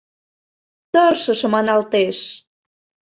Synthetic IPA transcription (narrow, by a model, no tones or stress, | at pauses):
t̪ərʃə̆ʃə̆mɑnɑlt̪eʃ